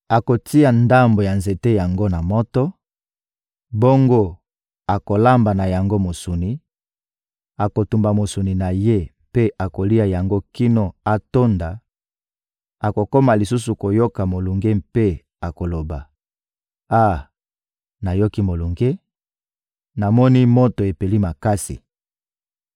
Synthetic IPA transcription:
a˨ko˨ti˦a˨nda˦mbo˨ja˨nze˨te˦ja˨ŋɡo˦na˨mɔ˦tɔ˦ | bo˦ŋɡo˦ | a˨ko˨la˦mba˨na˨ja˨ŋɡo˦mo˨su˨ni˨ | a˨ko˨tu˨mba˨mo˨su˨ni˨na˨je˦ | pe˦a˨ko˨li˦a˨ja˨ŋɡo˦ki˦no˨a˦to˦nda˨ | a˨ko˨ko˦ma˨li˨su˦su˨ko˨jo˦ka˨mo˨lu˨ŋɡe˦mpe˦ | a˨ko˨lo˨ba˨ | a˦˨ | na˨jo˦ki˦mo˨lu˨ŋɡe˦ | na˨mɔ˦ni˦mo˦to˨e˨pe˨li˦ma˨ka˦sḭ˨

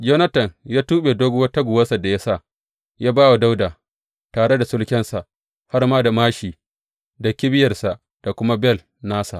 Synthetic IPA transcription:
d͡ʒɛ˦nɐ˦tɐ˨njaː˦tuː˦ɓeː˨doː˦ɡʊ˦wɐ˦ta˦ɡʷʊ˨wɐ˦sa˨da˨ja˦sa˦˨ | jaː˦baː˦wa˨da˦wdaː˨ | taː˨ɽe˦da˨sʊ˦lkʲɛ˦nsa˨ʔ | ha˦rmaː˦da˨maː˦ʃiː˨ | da˨kʲɪ˦bɪ˦jɐ˨rsa˨ʔ | d̥a˨kʷʊ˦ma˦bɛ˦˨l | naː˦sa˨ʔ

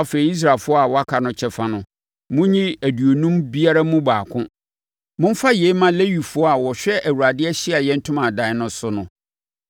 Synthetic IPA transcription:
a˦fe˨ɾi˨˦i˦s̬ɾa˨lfʊ˦ɔ˦a˨wɔ˦a˦kʰa˨nʊ̃˦t͡ɕʰɛ˨fã˦nʊ̃˨ | mʊ̃˦ɲĩ˦æ˨du˨o˨nũ˦mbi˦a˦ɾa˦mũ˦baː˨kʰʊ̃˦ | mʊ̃˦m˦fa˦je˨˦mã˦le˦wi˨fʊ˦ɔ˦a˨wɔ˨ɕᶣɛ˦ʔæ˨wu˨ɾa˨dɪ˦ɛ˦ɕɪ˦a˨jɛ˦n̩˦tʰʊ̃˦mã˨dã˨nʊ̃˦sʊ˦nʊ̃˨

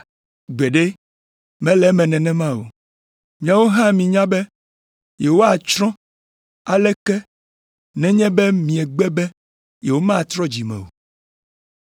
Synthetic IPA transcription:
ɡ͡bɛ˨ɖe˦ | mɛ̃˦lɛ˦mɛ̃˨nɛ̃˨nɛ̃˦mã˦wo̰˨ | mĩ˨a˨wo˦ɦã˦mĩ˨ɲã˦bɛ˦ | je˨wo˦a˨t͡ʃɾɔ̃˦ | a˨lɛ˦kɛ˦ | nɛ̃˦ɲɛ̃˦bɛ˦mĩ˨ɛ˨ɡ͡bɛ˦bɛ˦ | je˨wo˦mã˦˨t̪ɾɔ˦d͡ʑi˨mɛ̰̃˨wo̰˨

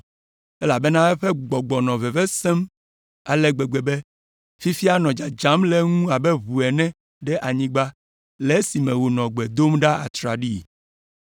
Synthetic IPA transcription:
ɛ˦la˨be˦nã˦ɛ˦ɸɛ˦ɡ͡bɔ˨ɡ͡bɔ˨nɔ̃˨vɛ˨vɛ˦sɛ˦m | a˨lɛ˦ɡ͡be˨ɡ͡be˨be˦ | fi˦fi˦a˦nɔ̃˨d͡ʒa˨d͡ʒã˨˦mlɛ˦ŋũ˦a˨bɛ˦βu˨ɛ˨nɛ̃˦ | ɖɛ˦ʔa˨ɲĩ˦ɡ͡ba˦ | le˨˦si˨mɛ̃˨wo˨nɔ̃˨ɡ͡bɛ˨d̪o˦mɖa˦a̰˨t̪ɾa˨ɖi˦˨

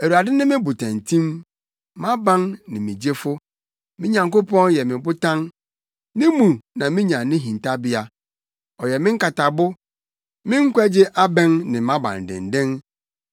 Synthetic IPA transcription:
æ˨u˨ɾa˨dɪ˦nɪ̃˦mɪ̃˦bʊ˨tʰã˨n˨tʰĩ˦m | mã˦bã˦nnɪ̰̃˨mĩ˨d͡ʑe˦fʊ˦ | mɪ̃˦ɲã˨ŋko˦pʰɔ̃˦njɛ˨mɪ̃˨bʊ˦tʰã˦n | nɪ̃˦mũ˨nã˨mɪ̃˦ɲã˨nɪ̃˦ɦĩ˨nta˦bɪ˦a˦ | ɔ˨jɛ˨mɪ̃˦ŋ̩˦ka˨ta˨bʊ˦ | mɪ̃˦ŋ̩˦kʷɛ˦d͡ʑɪ˦ʔa˦bɛ̃˦nnɪ̃˨mã˦bã̰˨n˨dɪ̰̃˨n˨dɪ̃˦n

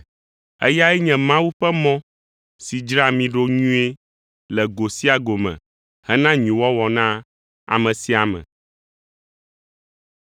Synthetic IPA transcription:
ɛ̰˦ja˦ɛ˦ɲɛ̃˨mã˦wu˦ɸɛ˦mɔ̃˦ | si˨d͡ʒɾa˦mĩ˨ɖo˦ɲũ˦e˦ | lɛ˨ɡo˨si˦a˨ɡo˨mɛ̰̃˨ | hɛ˦nã˦ɲũ˨wɔ˦wɔ˨nã˦ | a̰˨mɛ̃˨si˦a˨mɛ̰̃˨

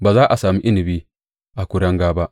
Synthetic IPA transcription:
baː˨zaː˦ʔa˨saː˨mi˦ʔɪ˦nɪ˨biː˦ | ʔa˨kʷʊ˦ɽɐ˦ŋɡaː˦ba˦ʔ

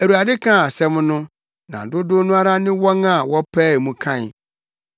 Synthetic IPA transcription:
æ˨ɾu˨a˨dɪ˦kʰã˦˨sɛ˦m˦nʊ̃˦ | nã̰˨dʊ˦dʊ˦nʊ̃˦a˦ɾa˦nɪ̃˦wɔ˦ŋa˦˨wɔ˦pʰæː˦˨mũ˨kʰã˦˨n˨

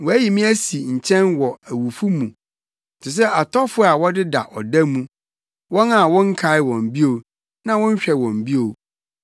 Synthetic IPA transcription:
wɔ˨æ˦ji˨mĩ˦æ˦si˨ɲ̩˨t͡ɕʰɛ̃˦nwɔ˨æ˨wu˨fu˦mũ˨ | tʰɪ˨s̬ɛ˦a˨tʰɔ˦fʊ˦a˨wɔ˦dɪ˦da̰˨ʔɔ̰˨dæ̃˦mːũ˦ | wɔ̃˦na˨wɔ̃˦ŋ̩˦kʰa˨˦ɪ˦wɔ̃˨m̩˨bi˦o˨ | nã˦wɔ̃˦n̩˦ɕᶣɛ˨wɔ̃˨m˨bi˦o˨

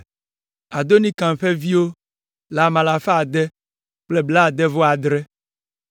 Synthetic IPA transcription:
a˨d̪o˦nĩ˦kã˨m˨ɸɛ˦vi˦wo˦ | la˨mã˨la˨fa˦a˨d̪ɛ˦ | k͡plɛ˦bla˦˨d̪ɛ˦vɔ˦a˨d̪ɾɛ˦

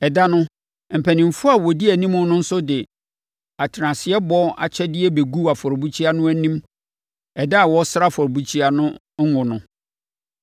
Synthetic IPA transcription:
ɛ˨da˦nʊ̃˦ | m̩˨pʰæ˨nɪ̃˨m̩˨fʊ˦a˨wɔ˨di˦æ˨nĩ˦mʊ̃˦nʊ̃˦n̩˦sʊ˦dɪ˨ | a˨tʰɪ˨ɾã˨sɪ˨ɛ˦bɔ˦a̰˨t͡ɕʰɛ˦dɪ˦ɛ˦be˨ɡu˦a˨fɔ˨ɾbu˦t͡ɕʰi˦a˦nʊ̃˦æ˦nĩ˦m | ɛ˨da˦a˨wɔ˦sɾa˦fɔ˨ɾbu˦t͡ɕʰi˦a˦nʊ̃˦ | ŋ̩˦ŋʊ̃˨nʊ̃˦

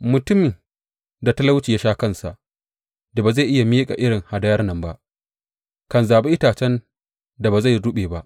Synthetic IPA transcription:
mʊ˨tʊ˦m | da˨ta˦la˦wt͡ʃiː˨ja˦ʃaː˦kɐ˦nsa̰˨ʔ | da˨baː˨za˦˨jʔɪ˦ja˨miː˦kʼa̰˨ʔɪ˦ɽɪ˨ŋha˨da˦jɐ˦rnɐ˦˨mba˦ʔ | kɐ˨nzaː˨be˦ʔɪ˦taː˨t͡ʃɛ˦n | da˨baː˨za˦˨jɽʊ˦ɓeː˨ba˦ʔ

